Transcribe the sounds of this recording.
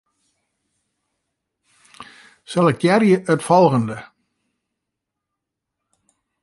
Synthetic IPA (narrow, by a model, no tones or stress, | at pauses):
sɛlˠɛkjɛrjəʔətfɔlˠɣəndə